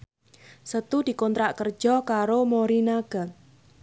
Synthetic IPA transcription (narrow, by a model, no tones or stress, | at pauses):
sət̪ud̥i̤kɔnt̪ɾaʔkərd̥ʒ̥ɔkaɾomoɾinaɡ̥a